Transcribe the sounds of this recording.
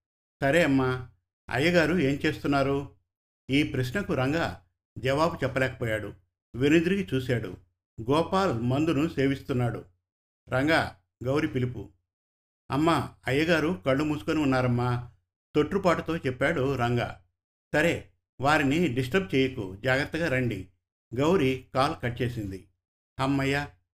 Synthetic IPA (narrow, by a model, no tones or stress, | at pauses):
sɐɾeːɐmːa | ɐ̰jːɐɡaːɾueːmt͡ʃe̞ːst̪unːaːɾu | iːpɾɐsnɐkuɾɐŋɡaː | d͡ʒɐʋaːbut͡ʃɛpːɐlɛːkɐ̥pɔːjaːɽṵ | ʋenid̪uɾiɡit͡ʃuːsaːɽṵ | ɡɔːpaːlmɐnd̪unuse̞ːʋist̪unːaːɽṵ | ɾɐŋɡaː | ɡɐwɾipilipṵ | ɐmːaɐjːɐɡaːɾukɐɭːumuːsu̥koniunːaːɾɐmːaː | t̪o̞ʈːɾupaːʈut̪o̞ːt͡ʃɛpːaːɽuɾɐŋɡa̰ː | sɐɾe̞ː | ʋaːɾiniɖisʈɐɾb̚t͡ʃeːjɐkṵd͡ʒaːɡɾɐt̪ːɐɡaːɾɐɳɖi | ɡɐwɾikaːlkɐʈt͡ʃe̞ːsind̪i | ɐmːɐjːa